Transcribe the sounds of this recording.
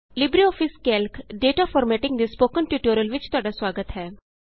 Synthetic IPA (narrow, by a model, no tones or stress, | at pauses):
libɾiɔːfiskɛlkɖeːʈafɔːɾmɛʈɪ̃ŋɡd̪ispoːkənʈjuːʈuɾjəlʋɪt͡ʃt̪ʊaːɽasʋaːɡət̪ɦɛː